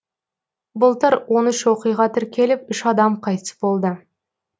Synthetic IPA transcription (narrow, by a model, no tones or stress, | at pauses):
bʊlˠt̪əɾwo̞nʏʃwo̞qijʁɑt̪ʰɪɾkʲʰe̞lɪpʏʃɑd̪ɑmqʰɑjt̪əsəbo̞lˠd̪ə